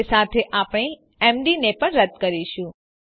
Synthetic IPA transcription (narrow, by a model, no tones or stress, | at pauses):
sat̪ʰeʔapɳ̃e | ɛmɖinepəɳɾəd̪kəɾiʃũ